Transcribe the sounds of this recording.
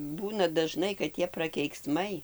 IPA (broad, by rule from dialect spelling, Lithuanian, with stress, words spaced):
ˈbuːnɐ dɐˈʒnɐɪ kɐt ˈtʲiɛ prɐkʲɛɪkˈsmɐɪ